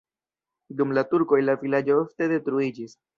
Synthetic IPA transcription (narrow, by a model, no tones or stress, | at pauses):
dumlatuɾko̞jlavilad͡ʒo̞ofte̞de̞tɾuid͡ʒis